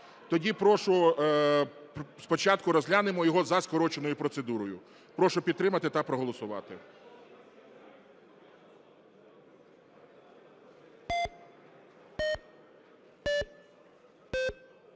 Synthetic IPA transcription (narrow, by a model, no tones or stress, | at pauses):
t̪ɔdʲipɾɔʃʊ | spɔt͡ʃɑt̪kʊɾɔzlʲanɪmɔjɔɦɔzɐskɔɾɔt͡ʃenɔjʊpɾɔt̪sed̪uɾɔjʊ | pɾɔʃʊpʲid̪̚t̪ːɾɪmɐt̪ɪt̪ɐpɾɔɦɔlˠɔsʊʋɑ̰t̪ɪ